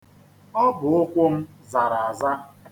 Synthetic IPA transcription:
ɔ˦bʊ˨ʊ˦kʷʊ˦m̩˦ | za˨ɾa˨a˨za˦

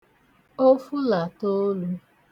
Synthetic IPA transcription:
o˦fu˦la˨to˦lu˦

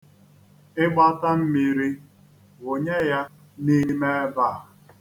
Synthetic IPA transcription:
ɪ˦ɡ͡ba˦ta˦m̩˦mi˦ɾi˦ | ɣo˨ɲe˦ja˦ | ni˦me˦e˦ba˦˨

